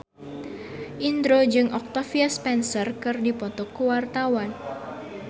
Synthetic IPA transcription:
ʔind̪ɾod͡ʒɨŋʔɔk̚t̪afiaspɛnsərkɨrdipɔt̪ɔkuwart̪awan

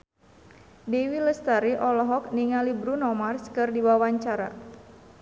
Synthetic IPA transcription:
dewiləst̪aɾiʔɔlɔɦɔk̚niŋalibɾunɔmarskɨrdiwawaɲt͡ʃaɾa̰

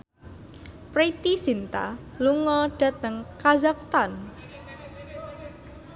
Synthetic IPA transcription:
pɾit̪isint̪a̰ | luŋɔɖ̥ä̤t̪əŋkazakst̪an

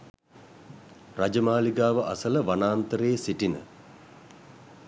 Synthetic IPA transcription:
rad͡ʒəmaːliɡaːʋəʔa̰sələʋanaːnt̪əɾejəsiʈinə̰

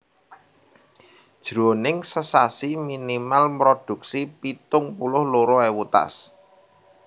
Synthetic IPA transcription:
d̥ʒ̥ɾonɪŋsəsasiminimalmɾod̪̥ṳk̚sipit̪ʊŋpulʊhloɾoɛwut̪a̰s

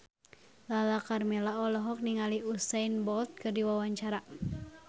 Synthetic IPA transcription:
lalakarmɛlaɔlɔɦɔk̚niŋaliusajnbɔlt̪̚kɨrdiwawaɲt͡ʃaɾa

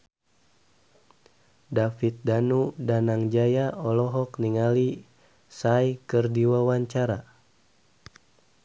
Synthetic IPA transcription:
dafit̪̚danudanaŋd͡ʒajaɔlɔɦɔkniŋali | sajkɨrdiwawaɲt͡ʃaɾa

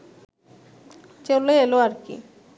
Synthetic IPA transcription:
t͡ɕeleeloaɾkḭ

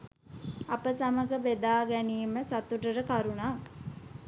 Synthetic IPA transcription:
apəsaməɡəbed̪aːɡæniːməsat̪uʈəɾəkaɾunak

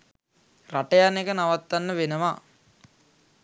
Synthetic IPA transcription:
raʈɐjanekənaʋat̪ːanːəʋenəʋa

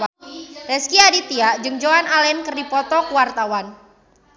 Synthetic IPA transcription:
ɾɛskiadit̪iaʔd͡ʒɨŋd͡ʒoanalɛnkərdipɔt̪ɔkuwart̪awan

